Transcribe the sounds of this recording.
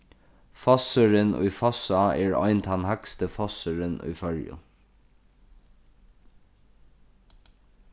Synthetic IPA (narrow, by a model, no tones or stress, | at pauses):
fɔsəɹənṵjfɔsaɛːɹɔ̰ʏnt̪ʰɑnhakst̪əfɔsəɹənʉ̰jfœɹjʊ̰